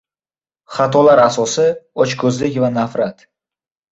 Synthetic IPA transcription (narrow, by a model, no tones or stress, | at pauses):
χat̪ʰɒlaɾasɒsɪɒt͡ʃkʰɵzlɪkʲvanafɾat̪